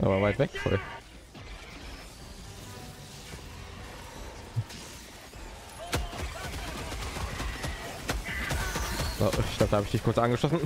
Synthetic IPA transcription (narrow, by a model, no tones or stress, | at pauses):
ʔa̰ːbavaɪtv̥ɛkfɔ̰l | a̰ɪçkɡ̥laːp̚d̥ahabəɪçd̥ɪçkʰʊɐt͡sʔanɡəʃlɔsn̩